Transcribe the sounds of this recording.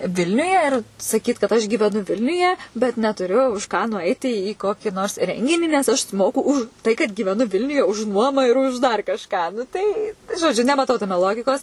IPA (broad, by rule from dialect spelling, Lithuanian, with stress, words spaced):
ˈʋʲɪlʲnʲʊjɛ ɪr sɐˈkʲiːt kɐt ɐʃ ɡʲiːʋʲɛˈnʊ ˈʋʲɪlʲnʲʊjɛ bʲɛt nʲɛtʊˈrʲʊ ʊʃ ˈkɑː nʊˈɐɪtʲɪ iː ˈkoːkʲiː noːrs ˈrʲɛŋʲɡʲɪnʲiː nʲɛs ˈɐʃ sʊˈmoːkʊ ʊʃ ˈtɐɪ kɐt ɡʲiːʋʲɛˈnʊ ˈʋʲɪlʲnʲʊjɛ ʊʃ ˈnuɔmɐ ɪr ʊʃ dɐr kɐʃˈkɑː tɐɪ ʒoːˈd͡ʒʲʊ nʲɛmɐˈtɐʊ tɐˈmʲɛ ˈlˠoːɡʲɪkoːs